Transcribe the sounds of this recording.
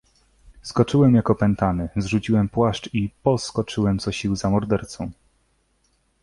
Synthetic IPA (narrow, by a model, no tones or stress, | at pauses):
skɔt͡ʂɘwɛmjakɔpɛnt̪anɘzʐut͡ɕiwɛmpwaʂt͡ʂipɔskɔt͡ʂɘwɛmt̪sɔɕiwzamɔɾd̪ɛɾt̪sɔ̃w̃